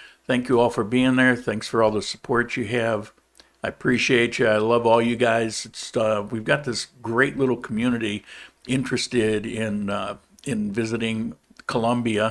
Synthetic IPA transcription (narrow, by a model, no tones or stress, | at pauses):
θæ̃ŋkjɨɔlˠfə˞biɪ̃ŋðə˞θæ̃ŋksfə˞ɔlˠðəsə̥pʰɔɹt͡ʃɨɨv | aɪəpʰɹ̥iʃieɪt͡ʃɨaɪlʌvɔlˠjɨɡaɪzɨtswivɡɑt̪̚ðɪsɡ̥ɹeɪʔˡlɪɾl̩ˠkʰm̩jʉnɨɾiɪ̃nt͡ʃɹ̥ɨstɪɾɪ̃n | ɪ̃nvɪzɨɾɪ̃ŋkʰəlʌ̃mbiɨ